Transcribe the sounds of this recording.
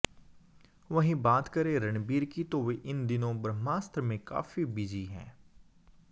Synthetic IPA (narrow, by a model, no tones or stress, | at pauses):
ʋɐɦĩbaːt̪kɐɾeɾɐnbiːɾkit̪oʋeʔɪnd̪ɪnõbɾmaːst̪ɾmẽka̰ːfibɪd͡ʒiɦɛ̰̃ː